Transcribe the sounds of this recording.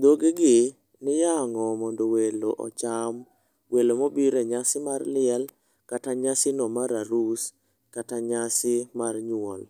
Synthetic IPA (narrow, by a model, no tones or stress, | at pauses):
d̪oɡeɡɪ | nɪjaŋɔmɔndoweloʔɔ̰t͡ʃam | welomobiɾeɲasɪmarlɪɛl | kataɲasɪnɔmaɾaɾus | kataɲasɪmarɲwɔ̰l